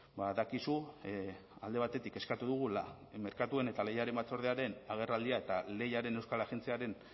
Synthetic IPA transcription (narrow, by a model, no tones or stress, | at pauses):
baðakisu | ald̪e̞β̞at̪e̞t̪ike̞skat̪uðuɣ̞ula | me̞ɾkat̪ue̞ne̞t̪ale̞jaɾe̞mbat͡so̞ɾð̞eaɾe̞naɣ̞e̞rald̪iae̞t̪ale̞jaɾe̞ne̞wskalaxe̞nt͡siaɾe̞n